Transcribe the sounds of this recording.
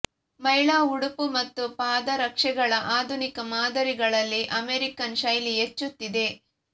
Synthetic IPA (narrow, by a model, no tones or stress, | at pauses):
mɐjɭaːuɽupumɐt̪ːupaːd̪ɐɾɐkʂɛɡɐɭɐʔaːd̪ʱunikɐmaːd̪ɐɾiɡɐɭɐlːiʔɐmeɾikɐnʃɐjliet͡ʃːut̪ːid̪e̞